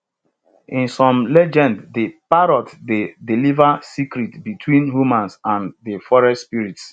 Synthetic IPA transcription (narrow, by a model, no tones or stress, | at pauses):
ĩnsɔ̃mlɛd͡ʒɛ̃nddepaɾɔtdedilivasikɾitbitʰwĩnhumãnsãndefɔɹɛ̃nspiɹits